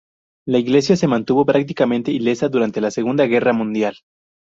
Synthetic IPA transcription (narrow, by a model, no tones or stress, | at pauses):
laiɣle̞sjase̞mãnt̪uβo̞pɾak̚t̪ikamẽ̞nt̪e̞ile̞saðuɾant̪e̞lase̞ɣ̞und̪aɣe̞ramũnd̪jal